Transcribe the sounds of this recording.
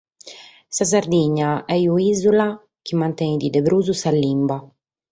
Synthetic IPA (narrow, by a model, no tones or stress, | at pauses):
sas̬aɾd̪iɲːaɛjuiːzula | kimːant̪ɛid̪id̪ebɾuːzusalːimba